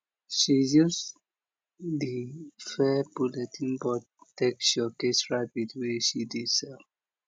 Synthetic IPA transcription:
ʃijus | difɛpuletʰĩŋbɔd | tekʃɔkesɹabidweʃididsɛl

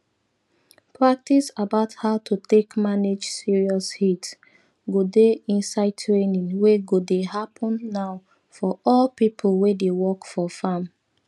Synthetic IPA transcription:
pɹak̚tisabaʊthaʊtʰutekmaned͡ʒsiɹiɔshit | ɡodeĩnsaɪdtʰɹenĩŋweɡodehapʰɔ̃nːaʊ | fɔɔlpipʰlˠwedewɔkfɔfãm

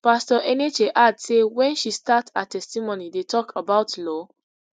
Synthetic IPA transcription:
pastɔʔɛned͡ʒeʔadsewɛ̃nʃistatatɛstimonidetʰɔkʰabaʊtlɔ

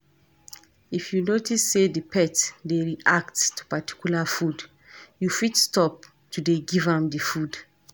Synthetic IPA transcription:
ifjunotisːedipʰɛtdeɹiʔakttu̥pati̥kjulafud | jufitstɔp̚ | tudeɡivãmdifud

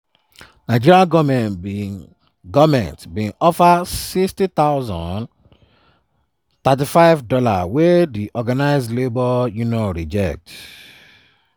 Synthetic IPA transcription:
naɪd͡ʒiɾiaɡɔmɛ̃n | ɡɔvmɛ̰̃ntbĩnɔfasikstit̪aʊzɔ̰̃n | t̪at̬ifaɪvdɔla̰wediʔɔɡanaɪzlebɔjunɔɹid͡ʒɛk̚t

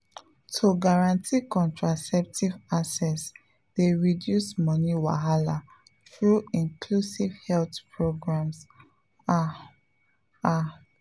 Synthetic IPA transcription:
tʰuɡaɹãntʰikɔ̃ntɹasɛp̚tʰivasɛs | d̥eɹidjusmɔniwa̰ɦala | θɹuĩnkʰlusivhɛltpʰɹoɡɹãms | a | a

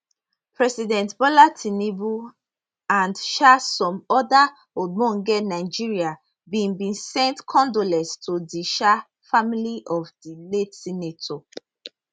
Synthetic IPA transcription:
pɹɛsidɛ̃ntbɔlatʰinebu | ãndʃasɔ̃mɔda | omɔ̃ŋɡɛnaɪd͡ʒiɹia | bĩnbĩnsɛ̃ntkʰɔ̃ndolɛ̃stʰodiʃa | familiʔɔvdiletsinetʰɔ

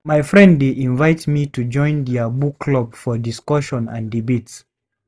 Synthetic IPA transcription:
majfɹɛ̃nddeʔĩnvaɪtmitud͡ʒɔ̃ɪ̃nd̪ɛəbukʰːlɔbfɔdiskɔʃɔ̃nã̰ndibets

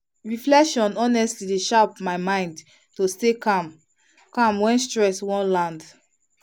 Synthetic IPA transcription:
ɹiflɛkʃɔ̃nɔnɛstlideʃapmaɪmãɪ̃nd | tostekam | kãmwɛ̃nstɹɛswɔ̃nlãnd

